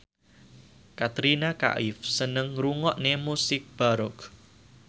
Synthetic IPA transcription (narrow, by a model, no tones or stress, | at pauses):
kat̪ɾinaka̰ʔɪfsənəŋɾuŋɔʔnemusɪk̚b̥aɾʊk